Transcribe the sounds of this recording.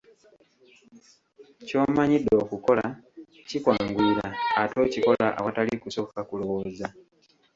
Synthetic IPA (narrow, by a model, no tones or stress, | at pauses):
co̞ːmaɲidːo̞ːkuko̞la | cikwaːŋɡwiːɾaːto̞ːciko̞laʔa̰watalikuso̞kakulo̞wo̞ːza